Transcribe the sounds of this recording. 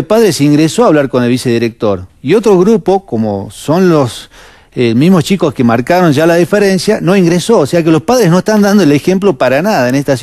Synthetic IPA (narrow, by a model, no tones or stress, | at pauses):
lpaðɾeseiŋɡɾesoaβlaɾko̞ne̞lβise̞ðiɾek̚t̪o̞ɾio̞t̪ɾoɣɾupoko̞mo̰so̞nlos | emizmo̞st͡ʃiko̞skemaɾkaɾo̞nʒalaðifeɾe̞nsjano̞iŋɡɾeso̞ːseak̬elo̞spaðɾezno̞est̪and̪and̪oelexe̞mplopaɾanaðaenest̪as